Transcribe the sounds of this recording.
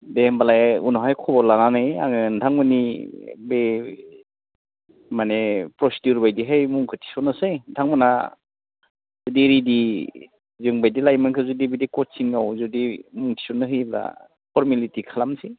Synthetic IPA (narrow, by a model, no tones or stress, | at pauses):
dembalajunɔɦajkʰɔbɔlananɯja̰ŋɯntʰaŋmɯnibe | manepɾɔsidiuɾbajdiɦajmuŋkʰɯtʰi̥sɔnɯsɯjdʰaŋmɯna̰ | zɔdiɾidi | zɯŋbajdilajmankʰɯzudibedikɔtsiŋawzɔdimuŋtʰi̥sɔnɯɦɯjbla̰ | pʰɔɾmulitikʰalamsi